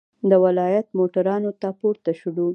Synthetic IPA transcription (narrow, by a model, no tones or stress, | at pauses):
d̪əwɪlɑjat̪moʈaɾɑnot̪apoɾt̪aʃuɽu